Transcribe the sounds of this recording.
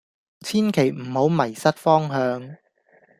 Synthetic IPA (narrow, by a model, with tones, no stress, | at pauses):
t͡sʰiː˥nkʰe˨˩jm̩˨˩ho˨˧˥wmɐ˨˩jsɐ˥t̚fɔː˥ŋɦœː˨˧ŋ